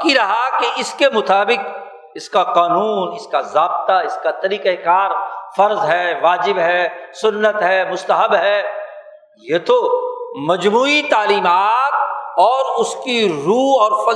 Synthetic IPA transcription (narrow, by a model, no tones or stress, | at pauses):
kiɾɐɦakeɪskemʊt̪aːbɪq̚ | ɪskaqaːnuːnɪskazaːbt̪aɪskat̪ɐɾiːqekaːɾfɐɾzɦɛːʋaːd͡ʒɪbɦɛːsʊnːət̪ɦɛːmʊst̪əɦəbɦɛː | jeːt̪omɐd͡ʒmuːit̪aːliːmaːt̪̚ɔːɾʊskiɾuːɔːɾfɐ